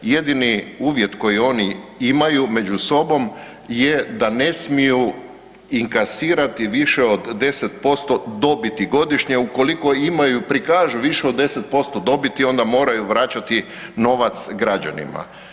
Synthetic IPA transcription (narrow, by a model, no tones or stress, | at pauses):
jed̪iniuːʋje̞t̪ko̞jio̞ːniimajume̞d͡ʒuso̞bo̞m | je̞d̪ane̞smiju | iŋkasiːɾat̪iʋiʃe̞od̪ːe̞set̪po̞st̪o̞d̪o̞bit̪iɡo̞d̪iʃɲe̞uko̞liko̞imajupɾikaːʒuʋiʃeod̪ːe̞se̞t̪̚po̞st̪o̞d̪o̞bit̪io̞nd̪amo̞ːɾajuʋɾat͡ɕat̪i | no̞ːʋat̪sɡɾad͡ʑa̰nḭma̰